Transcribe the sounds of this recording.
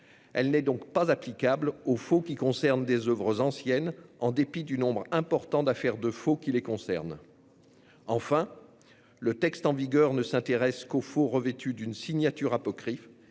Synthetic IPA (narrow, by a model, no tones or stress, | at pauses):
ɛlnɛd̪ɔ̃kpazaplikablofokʲikɔ̃sɛʁnd̪ezœvʁəzɑ̃sjɛnɑ̃d̪epid̪ynɔ̃bʁɛ̃pɔʁt̪ɑ̃d̪afɛʁd̪əfokʲilekɔ̃sɛ̰ʁn | ɑ̃fɛ̃ | lət̪ɛkst̪ɑ̃viɡœʁnəsɛ̃t̪eʁɛskofoʁəvet̪yd̪ynsiɲjat̪yʁapɔkχif